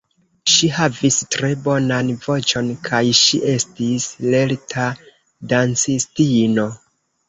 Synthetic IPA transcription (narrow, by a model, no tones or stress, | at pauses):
ʃihavistɾe̞bo̞nanvo̞t͡ʃo̞nkʰajʃiʔe̞stisle̞ltʰa | dant͡sistino̞